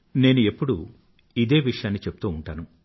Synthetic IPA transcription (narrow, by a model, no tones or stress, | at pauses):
ne̞ːnue̞pːuɽu | id̪e̞ːʋiʂɐjaːnːit͡ʃe̞pːu̥t̪uːɳʈaːnu